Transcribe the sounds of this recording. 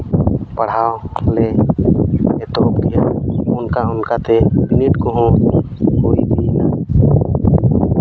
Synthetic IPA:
pəɽ̤aːole | et̪opkijaʊnkaʊnkat̪ebɪnɪʈkoɦõ | ɦoːid̪inaː

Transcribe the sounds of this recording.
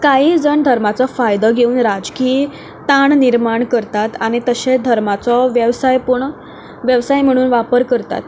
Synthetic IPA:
kaɦiːd͡zəɳd̪ʱəɾmat͡sɔfajd̪əɡʱeuːnɾad͡zki | t̪aɳniɾmaɳkəɾt̪at̪aɽ̃it̪əɕed̪ʱəɾmat͡sɔʋjəʋsajpuɳ | ʋjəʋsajm̤əɽ̃uːnʋapəɾkəɾt̪a̰t̪

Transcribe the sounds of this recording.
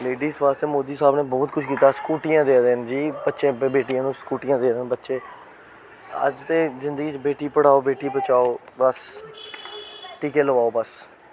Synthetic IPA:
leːɖiːsbaːst̪eːmoːd̪iːsaːbneːbɔːt̪̚kʰʊt͡ʃʰkiːt̪aːskuːʈijãːd̪eːd̪end͡ʒiːbətːʃẽːbbeːʈijãːnũːskuːʈijãːd̪eːd̪eːnbətːʃẽː | ə̰d͡ʒt̪eːzɪ̃nd̪əɡiːt͡ʃbeːʈiːpəɽ̤aːoːbeːʈiːbət͡ʃaːoːbəs | ʈiːkeːləʋaːoːbəs

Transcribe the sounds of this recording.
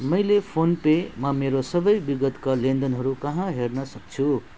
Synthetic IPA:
mʌjlepʰonpemʌmeɾosʌbʌjbiɡʌt̪kalend̪ʌnɦʌɾukʌɦãɦernʌsʌk̚t͡sʰu

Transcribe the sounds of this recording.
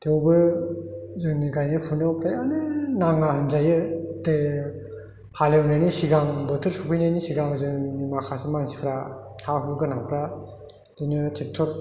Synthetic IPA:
tʰewbɯ | zɯŋniɡajnɯpʰunawkʰɾajanɯnaŋaɦɯnzajɯde | halewnajnisiɡaŋbɯtʰɯɾsupʰɯjnajnisiɡaŋzɯnimakʰasimansi̥kʰɾa | hʰaɦuɡɯnaŋkʰɾa | dinɯtʰek̚tʰɔɾ

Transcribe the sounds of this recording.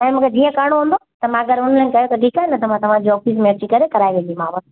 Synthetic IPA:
ɛ̃ːmʊ̃ːkʰed͡ʑiːə̃kaːɽ̃oɦːnd̪o | t̪ɐmãɐɡɐɾʊnlɐ̃ɪ̃kɐjot̪ɐʈʰiːkaːɦenɐt̪ɐm̤ãt̪ɐʋ̤ãd͡ʑiɔːfiːs̬mẽɐt͡ɕikɐɾekɐɾaːiʋẽːd͡ʒ̪imãːʋã

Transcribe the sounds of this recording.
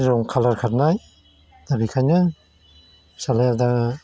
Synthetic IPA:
zɔŋkʰalaɾkʰat̚naj | d̪abikʰajnɯ | salajad̪a

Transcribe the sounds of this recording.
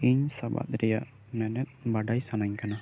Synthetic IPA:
iɲsaba̰t̪̚ɾɛjaʔ | mɛnɛt̪̚baɖajsanaɲkana

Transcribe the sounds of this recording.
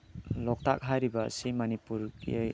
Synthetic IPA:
lɔk̚tak̚ɦajɾibɐ̰ːsimɐnipuɾɡi

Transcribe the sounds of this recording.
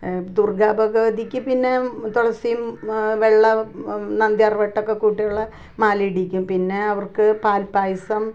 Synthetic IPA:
d̪urɡaːbɐɣɐʋɐd̪ʱikʲːupinːe̞t̪uɽɐsijumʋeɭːɐnɐnd̪jarʋɐʈːokːekuːʈːijuɭːɐ | maːliɽikʲːumpinːe̞ɐʋɐrkɨpaːlpaːjisɐm

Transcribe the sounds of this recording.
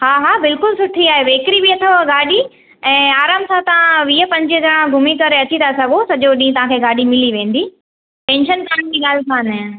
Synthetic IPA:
haːɦaːbɪlkʊlsʊʈʰiaːɦeʋeːkɾiʋiɐt̪ʰəʋɡaːɗi | ɛ̃ːaːɾaːmsãt̪ɐʋãʋiːəpɐ̃ɲd͡ʑiɡʱɐɽ̃ãɡʱʊmikɐɾeɐt͡ɕit̪ʰasɐɡʱosɐʄoɗĩːt̪ɐʋ̤ãkʰeːɡaːɗimɪliʋẽːn̆d̪iː | pɛ̃ːnʃənkaːnd͡ʑiːɠaːlsʰaːne

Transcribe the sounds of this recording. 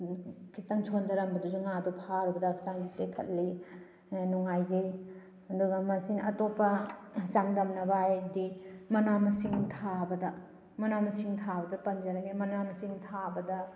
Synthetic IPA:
kʰitɐŋt͡ʃʰondɐɾɐmbɐduzuŋadupʰaɾubɐdakʰsaŋɡitekʰɐ̰t̚li | nuŋajd͡ʒɐj | ɐduɡɐmɐsinɐ̰topɐt͡ʃaŋdɐmnɐbajdimɐnamɐsiŋtʰabɐdɐ | mɐnamɐsiŋtʰabɐdɐpɐnd͡ʒɐɾɐɡemɐnamɐsiŋtʰabɐdɐ

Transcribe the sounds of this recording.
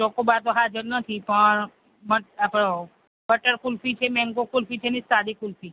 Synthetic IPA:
okobat̪oɦad͡ʒəɾnət̪ʰipəɳ | məapo | bəʈəɾkulfit͡ʃʰemɛ̃ŋkokulfit͡ʃʰenist̪ad̪ikʊlfi

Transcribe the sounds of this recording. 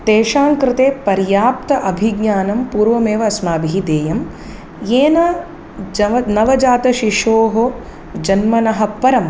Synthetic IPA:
t̪eːʃaːŋkɾɪt̪eːpɐɾjaːp̚t̪ɐʔɐbʱiɡɲaːnɐmpuːɾʋɐmeːʋɐɐsmaːbʱiid̪eːjɐm | jeːnɐ | d͡ʒɐɐnɐʋɐd͡ʒaːt̪ɐʃiʂoːɦo | d͡ʒɐnmɐnɐɦɐ̆pɐɾɐm

